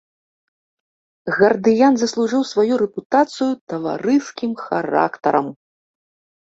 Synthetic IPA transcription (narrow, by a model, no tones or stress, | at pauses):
ɣɐrd̪ɨjanzɐslˠuʐɨwsvajuɾɛput̪at̪sɨjut̪ɐva̰ɾɨskʲimxaɾa̰kt̪ɐɾɐm